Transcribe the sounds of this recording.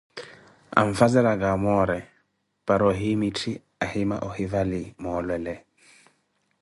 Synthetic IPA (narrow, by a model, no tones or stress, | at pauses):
a̰ɱfazɛɾaɡamɔɾɛ | paɾɔɦimitʰi | ahima̰ʔɔhivalimɔlwɛlɛ